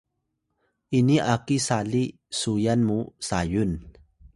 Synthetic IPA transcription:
ʔiniʔakisali | sujanmusajun

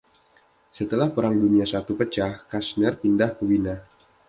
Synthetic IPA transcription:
sət̪əlahpəɾaŋduniasat̪upət͡ʃahkasnərpindahpəwina

